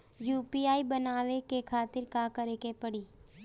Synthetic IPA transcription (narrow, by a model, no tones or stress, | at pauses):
juːpiaːibənaːʋekekʰaːt̪ɪɾkakəɾekepəɽiː